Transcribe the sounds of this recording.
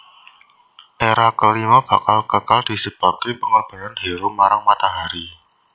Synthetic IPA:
ʔeɾakəlimab̥a̤kalkəkald̥i̤səb̥a̤kipəŋəb̥a̤ŋandi̤ɾumaɾaŋmat̪aɦaɾi

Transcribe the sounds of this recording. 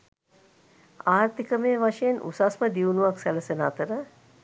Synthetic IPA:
aːrt̪ikəmeːʋaʂejenʔṵsasməd̪iunuʋaksæləsenaːt̪əɾə

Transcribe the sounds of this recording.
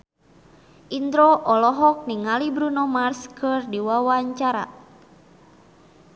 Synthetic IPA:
ʔind̪ɾɔʔɔlɔɦɔk̚niŋalibɾunɔmarskɨrdiwawaɲt͡ʃaɾa̰

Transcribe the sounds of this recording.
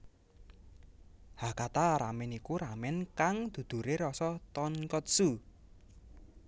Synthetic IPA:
hakat̪aɾamɪnikuɾamɪnkaŋd̪̥ṳd̪̥ṳɾeɾɔsɔt̪ɔnkɔt̪̚su

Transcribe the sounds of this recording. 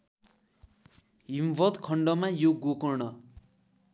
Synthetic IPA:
ɦimbʌt̪kʰʌɳɖʌmajoɡokʌrnʌ

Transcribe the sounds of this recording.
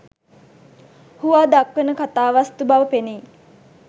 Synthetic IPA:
huʋaːd̪akʋənəkat̪aːʋast̪ubaʋəpeniː

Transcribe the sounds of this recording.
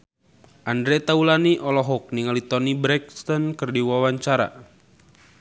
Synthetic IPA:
ʔandɾɛt̪aulaniʔɔlɔɦɔk̚niŋalit̪ɔnibɾɛk̚st̪ɔnkɨrdiwawaɲt͡ʃaɾa̰

